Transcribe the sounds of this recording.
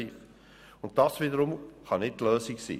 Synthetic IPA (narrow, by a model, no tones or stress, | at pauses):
iːf | ʊnt̚d̥ɑːsviːdəɾʊmχɑnɪttløːsɪksḭː